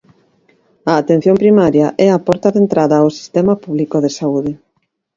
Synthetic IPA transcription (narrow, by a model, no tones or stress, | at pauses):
ɐːt̪en̟θjompɾimaɾjɐʔɛapɔɾt̪ɐðent̪ɾaðɐːwsi̥st̪ɛmapuβlikoðesauðɪ